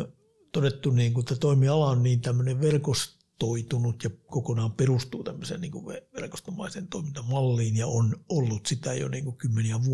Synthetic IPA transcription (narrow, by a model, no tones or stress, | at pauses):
t̪odet̪ːuniːŋkut̪ːæt̪oimiɑlɑonniːnt̪æmːøneʋʋerkos | t̪oit̪unut̪jɑkokonɑːmperust̪uːt̪æmːøsḛnniːŋkuʋʋeʋerko̥st̪omɑisent̪oimint̪ɑmɑlːiːnjɑonolːut̪sit̪æjo̰nḭːŋkukymːeniæʋu